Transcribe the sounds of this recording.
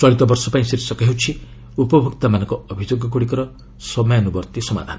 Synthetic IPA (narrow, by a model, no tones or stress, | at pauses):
t͡ʃɔɭit̪ɔbɔɾsɔpaĩsiɾisɔkɔɦewt͡ʃʰi | upɔbʱukt̪amanɔŋkɔɔbʱid͡ʒoɡɔɡuɽikɔɾɔ | sɔmɔjanubɔɾt̪isɔma̰d̪ʱanɔ